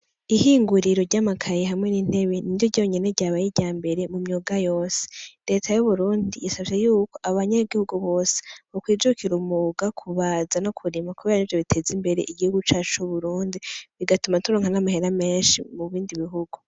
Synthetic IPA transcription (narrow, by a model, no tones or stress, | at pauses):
ihiːŋɡuɾiɾo̞ɾɟamakʰajeɦamŋe̞niːn̥e̞βe̞nijoɟoɲe̞ne̞ɾɟaːβajiɟaːmbe̞ɾe̞mumɲuːɡajo̞ːse̥ɾe̞ːtʰajuβuɾuːndijisaβʃejuːko̞ʔaβaɲaɡihuɡuβo̞ːse̥okwiːd͡ʒukiɾumuɡakʰuβaːzano̞kʰuɾimakuβeɾanivjoβitʰe̞ːzimbe̞ɾe̞̰ʔiɡihuɡut͡ʃaːt͡ʃuβuɾuːndiβiɡatumatuɾoŋanamahe̞ɾame̞ːnʃḭmuβiːndiβiɦuɡ̥u